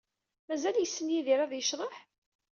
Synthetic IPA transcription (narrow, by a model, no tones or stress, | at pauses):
mæzæljəsːənjiðiɾˤæðjəʃðˤəħ